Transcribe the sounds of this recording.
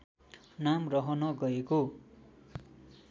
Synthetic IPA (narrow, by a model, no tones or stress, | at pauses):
namrʌɦʌnʌɡʌeko